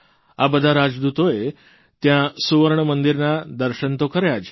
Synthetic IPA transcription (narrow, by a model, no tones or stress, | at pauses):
abəd̪ʱaɾad͡zd̪ut̪oje | t̪jãsuʋəɾɳəmənd̪iɾnad̪əɾɕənt̪okəɾjad͡ʑ